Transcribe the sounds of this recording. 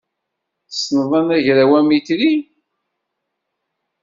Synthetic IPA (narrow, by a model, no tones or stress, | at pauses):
θsnəðˤɑnæʝɾæwæmitɾi